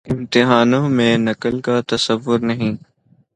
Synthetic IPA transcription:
ɪmt̪ɪɦaːnõːmẽnɐkəlkat̪ɐsəʋːʊɾnɐɦĩː

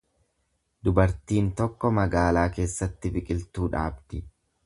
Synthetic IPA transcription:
d̪ʊbɐɾt̪iːnt̪ɔkːɔmɐɡaːlaːke̞ːsːɐt̪ːɪbɪkʼɪlt̪uːᶑa̰ːbd̪ɪ

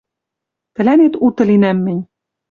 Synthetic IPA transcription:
t̪ɘ̆lænet̪ut̪ɤ̆linæmːɘ̆nʲ

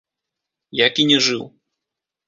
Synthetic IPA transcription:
jakʲinʲɛʐɨw

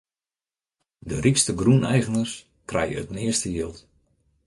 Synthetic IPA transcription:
dərikstəɡrunɛjɣənəs | krɛ̰jəə̰tnɪəstəjiəlˠt

